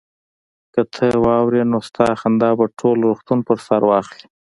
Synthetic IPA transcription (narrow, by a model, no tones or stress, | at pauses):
kət̪ʰəwɑwɾenost̪ɑxand̪ɑbaʈʰolɾuxt̪unpəɾsaɾwɑxli̥